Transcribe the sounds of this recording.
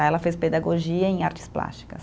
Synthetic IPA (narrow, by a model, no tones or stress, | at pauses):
ɛlɐfesped̪aɡoʒiɐẽj̃aɾt͡ʃɪ̥spla̰st͡ʃi̥kɐs